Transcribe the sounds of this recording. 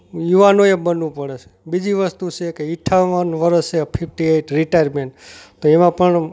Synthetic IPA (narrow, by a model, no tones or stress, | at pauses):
juʋanoebənʋũpəɽet͡ʃʰe̥bid͡ʒiʋəst̪ut͡ʃʰekeiʈʰːaʋənʋəɾəst͡ʃepʰipʈieʈɾiʈajəɾmẽɳʈt̪oemãpəɳ